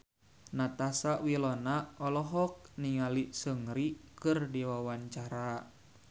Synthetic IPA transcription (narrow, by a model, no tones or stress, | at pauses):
nat̪asawilɔnaɔlɔɦɔk̚niŋalisəŋɾikɨrdiwawaɲt͡ʃaɾa